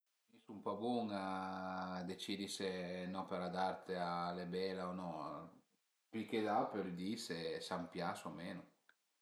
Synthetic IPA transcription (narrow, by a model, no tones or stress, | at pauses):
misumpɔbuŋa | d̪et͡ʃid̪isenɔpeɾad̪art̪ʰealebɛlaonɔ | piked̪apeld̪isesampjasoameːno